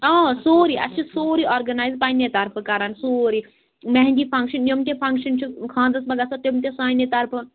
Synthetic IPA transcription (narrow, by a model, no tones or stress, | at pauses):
aːsoːɾiɐ̰t͡ʃʰisoːɾioːɾɡɐnaːizpaːinet̪ɐɾpʰɨkɐɾaːnsoːɾi | mɐ̃ɦnd͡ʒiːpʰɐ̃ŋkʃɐnjomt̪ʲẽpʰɐ̃ŋkʃɐnt͡ʃʰukʰãːnd̪ɐsbɐɡasot̪jomt̪ẽsaːĩnẽt̪ɐɾpʰɨ